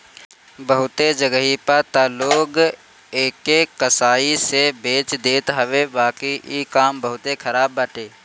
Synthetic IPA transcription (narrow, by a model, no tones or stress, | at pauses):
bəɦʊt̪ed͡ʒəɡəɦipəɾt̪aːloːɡ | eːkekəsaːisebeːt͡ʃd̪eːt̪ɦɐʋebaːkiekaːmbəɦʊt̪ekʰəɾaːbːaːʈeː